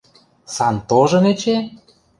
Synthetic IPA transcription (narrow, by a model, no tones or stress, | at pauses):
sɑnt̪oʒɤ̆net͡ɕe